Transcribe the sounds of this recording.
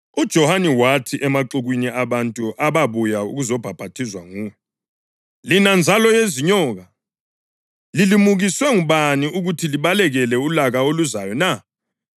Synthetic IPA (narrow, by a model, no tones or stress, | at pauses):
ud̥ʒ̥ʱɔhaniwatʰiʔɛmaǃuɣwiniʔaβantʼuʔaβaβujaṵɣuzɔb̥ʱab̥ʱatʰizwaŋuːɔ | linand͡zʱalɔjeziɲɔːɣa | lilimuɣiswɛŋuβaniuɣutʰiliβalɛɣɛlɛulaɣaoluzajɔna